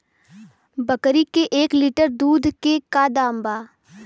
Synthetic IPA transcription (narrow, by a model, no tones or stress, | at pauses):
bɐkɾikeʔeːkliːʈəɾd̪uːd̪ʱkekad̪ãːmbaː